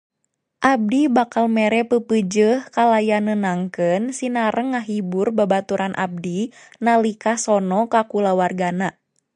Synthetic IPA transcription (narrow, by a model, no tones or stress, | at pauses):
ʔab̚dibakalmɛɾɛpəpəd͡ʒəhkalajanənaŋkənsinaɾəŋːaɦiburbabat̪uɾanʔa̰b̚di | nalikasɔnɔkakulawarɡana